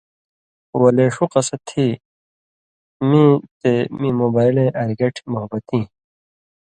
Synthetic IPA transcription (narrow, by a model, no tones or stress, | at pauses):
wɐleːʂuqɐsɐt̪ʰːi | mĩt̪emĩːmoːbaːilẽʔɐɾɡɐʈʰmoɦɐbɐt̪ĩː